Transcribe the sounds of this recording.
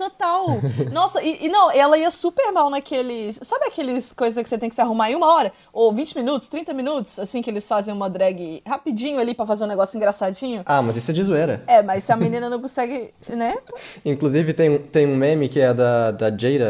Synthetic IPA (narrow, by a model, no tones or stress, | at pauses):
t̪ot̪awnɔsɐʔɪʔːnɐ̃w̃ɛlɐiɐsupeɾmawnɐkʰelɪssabɪ̃akelɪskojzɐskɪ̥set̪ẽkɪsaɦumaɾẽũmɐɔɾɐ | ovĩt͡ʃɪmĩnut̪ʊst̪ɾĩnt̪ɐmĩnut̪ʊ̥sasĩkɪelɪsfazẽj̃ũmɐd̪ɾɛɡɪhapid͡ʒĩɲʊalipɾɐfazeɾũneɡɔsʊĩŋɡɾasad͡ʒĩɲʊamɐzisɛd͡ʒizuɛɾɐ̰ɛmɐssɪɐmĩnĩnɐnɐ̃w̃kõsɛɡɪ | nɛĩkluzivɪt̪ẽj̃ũt̪ẽj̃ũmẽmɪkɪɛɐd̪ɐd̪ɐd͡ʒejɾɐ